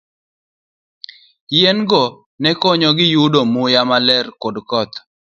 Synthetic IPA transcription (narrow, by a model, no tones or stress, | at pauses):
jenɡɔ | nɛkɔɲɔɡɪjudomujamalɛrkodkɔt̪